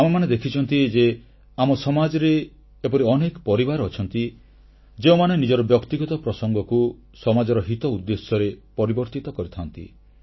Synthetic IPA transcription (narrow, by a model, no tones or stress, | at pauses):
amemaned̪ekʰit͡ʃʰɔnt̪id͡ʒe | amɔsɔmad͡ʒɔɾeː | pɔɾiɔnekɔpɔɾibaɾɔt͡ʃʰɔnt̪i | d͡ʒeomanenid͡ʒɔɾɔbjɔkt̪iɡɔt̪ɔpɾɔsɔŋɡɔku | sɔmad͡ʒɔɾɔɦit̪ɔud̪ːesjɔɾepɔɾibɔɾt̪it̪ɔkɔɾit̪ʰant̪ḭ